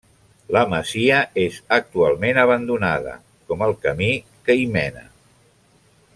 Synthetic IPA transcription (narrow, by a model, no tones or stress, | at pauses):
ləməziəezək̚t̪ualˠmenəβ̞ənd̪unaðə̰ | kɔməlˠkəmi | kəimɛnə̰